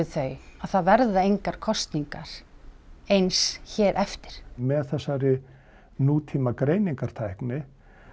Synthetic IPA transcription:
ɪθeɥaðθaðvɛɾðaejŋkaɾ̥kʰɔst̪niŋkaɾ̥ | ejnsçɛːɾʔɛft̪ɪ̥ɾ̥mɛðθɛsːaɾɪ | nuːt̪ʰiːmakɾeːjniŋkaɾ̥t̪ʰajhknɪ

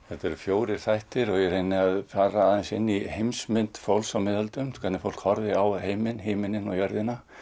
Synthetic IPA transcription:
ɛt̪ɛɾfjoːwɾɪɾ̥θajht̪ɪɾɔɣjɛɾejnːɪaðfaːɾaːðɛnsɪnːihejmsmɪnt̪fowlsawmɪːðalt̪ʏmkʰat̪nɪfowl̥khɔɾðɪawheːjmɪnɦejmɪnɪnɔjœɾðɪna

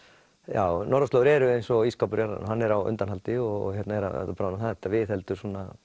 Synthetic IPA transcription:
ja̰ːwnɔɾɔst̪ɔɾɛɾʏejnsɔiskapʏɾjaɾa̰nɦanːɛɾawʏ̰nt̪anhalt̪ɪɔ̰hɛt̪nɛɾa̰abpɾaːnaθat̪ːaʋɪθɛlt̪ʏɾsunːa

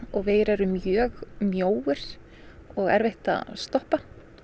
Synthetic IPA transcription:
ɔɣvɪðɾɛɾʏmjœːɣmjoːwɪɾ̥ | ɔɣɛ̰ɾveht̪a̰ðst̪ɔhpa

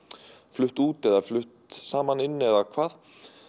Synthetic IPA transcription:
flʏht̪uːt̪ɛðaflʏht̪saːmanɪnːɛðakʰvaːð

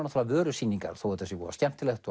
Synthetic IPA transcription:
nat̪ʰalavœːɾʏsinːiŋka̰ɾ̥θowɛt̪ʰːɛsɪvɔ̰ːɾascɛm̥t̪ɪlext̪

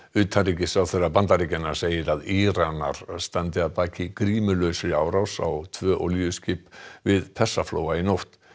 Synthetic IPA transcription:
ʏːt̪ʰaricɪsawθerːapant̪arɾicɪnːaɾ̥seːjɪɾaðiːɾana̰ɾ̥st̪ant̪ɪaðpaːcɪkɾiːmʏlœɥsɪaːwɾawsa̰wt̪ʰvœːʔɔliʏscɪpvɪðpʰɛsːafloːwaɪnowht̪

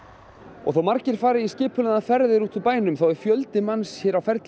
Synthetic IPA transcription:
ɔ̰ɣθawmaɾcɪɾ̥faːɾɪiscɪːpʰʏlanafɛɾðɪɾuːt̪ʰʏpaːjnʏmθawɛɾ̥fjœlt̪ɪmansjɛːɾawfɛɾt̪l

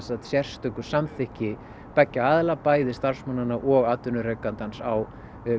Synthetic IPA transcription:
sat̪sjɛr̥st̪ʏkʏ̥samθɪhcɪ | pɛcːaaːðɪlapaːjðɪst̪ar̥smanːanːaʔɔɣaːt̪ʏnʏɾɛkant̪ansaw

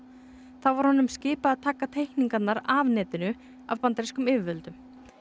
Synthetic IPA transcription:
θavaɾ̥hɔnʏmscɪːpaːðt̪ʰaːkat̪ʰejhkniŋkat̪naɾavnɛːt̪ɪnʏ | a̰vpant̪ɾiskʏmɪːvvœlt̪ʏm

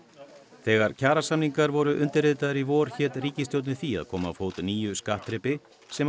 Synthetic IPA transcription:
θɛːɣaɾ̥cʰaːɾasamniŋkaɾvɔɾʏʔʏnt̪ɪreːt̪aðaɾivɔːɾ̥çɛːt̪riːcɪst̪jowt̪nɪθia̰ðkʰɔːma̰foːwt̪niːjʏskaht̪ɾɛːpɪ | sɛm

